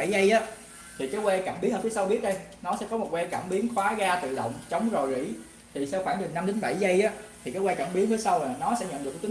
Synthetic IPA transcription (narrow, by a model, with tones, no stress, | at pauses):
a˧˩zə˧jʔaː˨˦˥ | t̪ʰi˨˩kaː˨˦jɣwɛ˧kaː˧˩mɓi˨˦əŋəː˧˩i˨˦sa˧wɓi˦˥ət̚ɗə˧jnɔ˨˦sɛ̰˧˥kɔ˨˦mo˨˩t̚we˧kaː˧˩mɓi˨˦ənxwaː˨˦ɣaː˧t̪ɨ̰˧˨ɗə̰˧˨wŋ͡mt͡ɕə˨˦wŋ͡mzo˨˩jzḭ˧˩˥ | t̪ʰi˨˩sɛ˧˥waː˧˩nɗɨ˨˩na˧mɗï˨˦ŋ̟ɓa̰˧˩jza˧jʔaː˨˦t̪ʰi˨˩kaː˨˦jwɛː˧kaː˧˩mɓi˨˦ənfi˨˦əsa˧wlaː˨˩nɔ˨˦sɛ̰˧˥ɲə̰˧˨nɗk̚ːt̪i˨˦